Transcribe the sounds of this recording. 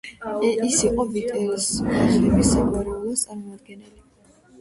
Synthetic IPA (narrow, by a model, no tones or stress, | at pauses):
isiqʼɔbit̪ʼɛɾisazɛbisɛkʼɔɾiulˠat̪sʼaɾmɔmad̪ɡɛnɛli